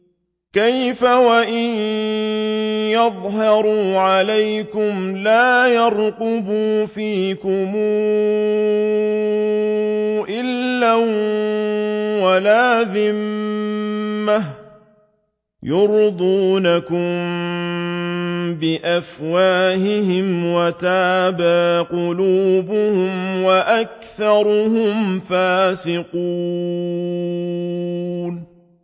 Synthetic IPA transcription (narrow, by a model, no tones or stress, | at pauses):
kajfawaʔɪn | jɑðˤɦɑɾuːʕalajkʊmlaːjɑɾˤqʊbuːfiːkʊmuː | ʔɪlːa | walaːðɪm | ah | jʊɾd̪ˤuːnakʊm | bɪʔafwaːhɪhɪmwat̪aːbaːqʊluːbʊhʊmwaʔakθɑɾˤʊhʊmfaːsɪquː | n